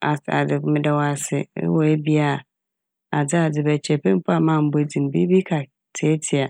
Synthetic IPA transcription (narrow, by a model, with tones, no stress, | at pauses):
a˨a̰˨dɪ˨mɪ̃˦da˨wa˦sɪ˨ɪ̰˦wɔ˨e˦bi˦a˨ | a˨d͡zɪ˦a˨d͡zɪ˨bɛ˨t͡ɕʰɛ˨pɛ̃˦m̩˦pʰʊ˦a˨mãː˦˨m̩˦bo˦d͡zĩ˨m˨bi˦bi˦kʰa˨ | tʰe˦tʰɪ˨a˨